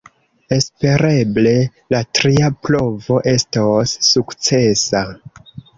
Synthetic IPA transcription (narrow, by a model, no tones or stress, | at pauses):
e̞spe̞ɾe̞ble̞ | latɾiaplo̞vo̞ʔe̞stosːukt͡se̞sa